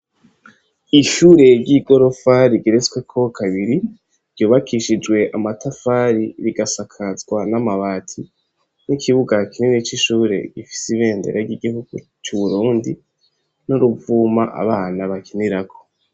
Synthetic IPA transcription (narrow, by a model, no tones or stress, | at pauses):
iʃuɾe̞ɾɟiɡo̞ɾo̞faɾiɡiɾet͡swe̞kʰo̞kʰaβiɾi | ɾɟuːβakʰiʃid͡ʒwe̞ʔamatafaɾiɾiɡasakʰazɡwanamaβaːtʰi | nikʰiβuɡakʰininet͡ʃiʃuːɾe̞̰ɡ̥ifi̥siβe̞ːndeɾʔaɾɟiɡihuɡ̥u | t͡ʃuβuɾuːndi | nuɾuvumaʔa̰βaːnaβakeniɾako̥